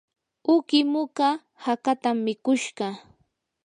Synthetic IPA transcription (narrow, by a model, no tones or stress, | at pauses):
ʊkɪmʊka | hakat̪amːɪkʊʃɢɑ